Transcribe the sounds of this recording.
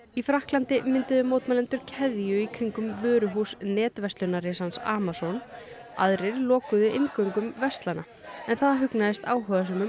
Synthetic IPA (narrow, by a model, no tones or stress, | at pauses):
ifɾahklant̪ɪmɪnt̪ɪðʏmoːwt̪malɛnt̪ʏɾ̥cʰɛðjʏikʰœŋkʏmvœːɾʏɦuːsnɛːt̪vɛst̪lʏnaresansa̰ːmasɔn | a̰ðɾɪɾlɔːkʏðʏʔɪŋkœŋkʏmvɛst̪lana | ɛnθaðɦʏknaðɪst̪aːwɦœːðas̬œmʏ